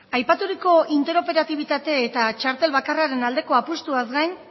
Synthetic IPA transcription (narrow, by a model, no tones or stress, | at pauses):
ajpat̪uɾiko̞int̪e̞ɾo̞pe̞ɾat̪iβ̞it̪at̪e̞ːt̪at͡ʃaɾt̪e̞lβakaraɾe̞nald̪e̞ko̞apust̪uazɡajn